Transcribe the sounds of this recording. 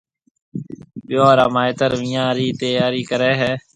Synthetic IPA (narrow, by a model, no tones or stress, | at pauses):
bɪjoːɾəmaːɪt̪əɾʋiːãːɾiːt̪eːjaːɾiːkəɾeːɦɛː